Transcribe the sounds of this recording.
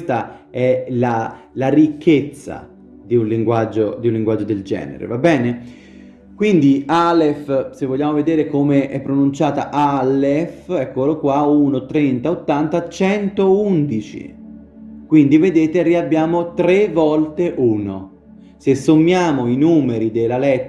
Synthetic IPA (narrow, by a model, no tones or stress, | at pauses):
st̪a | ɛla | larikːet̪sːa̰ | d̪iunliŋɡwad͡ʒːod̪iunlːiŋɡwad͡ʒːod̪eld͡ʒɛ̰ːnḛɾḛvabːɛːne | kwind̪ialefsevːoʎːaːmoved̪eːɾekomeʔɛpːɾonunt͡ʃaːt̪a̰ʔalefɛkːolokwaunot̪ɾent̪aot̪ːant̪at͡ʃɛnt̪ound̪it͡ʃḭ | kwind̪ived̪eːt̪eriabːjaːmot̪ɾevɔlt̪eʔuːno | sesːomːjaːmoinuːmeɾid̪elːalɛt̪ː